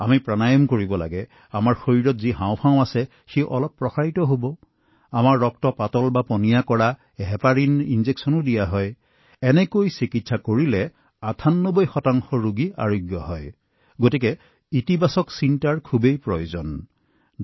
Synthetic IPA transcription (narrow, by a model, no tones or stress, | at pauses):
amipɹanajɔmkoɹibɔla̰ɡɛ | amaɹxoɹiɹɔtziɦãwpʰãʊ̃asɛ | xeʔɔ̰lɔpːɹɔxaɹitɔɦobɔ | amaɹːɔk̚tɔpatɔlbapɔnijakɔɹa | ɦɛpaɹininzeksɔnɔdijaɦɔj | ɛnɛkojsikitsakoɹilɛ | atʰanːobɔjxɔtaŋxɔɹuɡia̰ɹoɡjɔɦɔj | ɡotikɛ | itibasɔksintaɹkʰubejpɹɔjozɔn